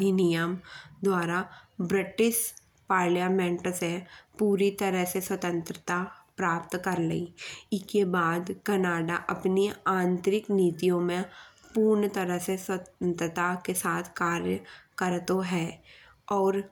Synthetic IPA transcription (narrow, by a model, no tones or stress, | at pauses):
inɪjəmd̪waːɾabɾɪʈɪʃ | paːɾlijaːmẽɳʈsepuːɾit̪ɐɾəɦseswət̪ə̃nt̪ɾət̪apɾaːpt̪kɐɾləiɪskebaːd̪kɐnaːɖaʔɐpniãːnt̪ɾɪkniːt̪ijõmẽpuːɾɳət̪əɾəɦseswənt̪ɾət̪akesaːt̪ʰkaːɾjəkɐɾt̪oɦɛː | ɔːɾ